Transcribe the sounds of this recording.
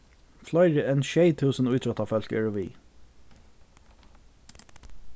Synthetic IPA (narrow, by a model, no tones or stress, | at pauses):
flɑɪɾəeːnʃeɪt̪ʰʉːsn̩ʉːt̪ʰɹœt̪ʰɑːfœlkœ̰ɹʊʋḭː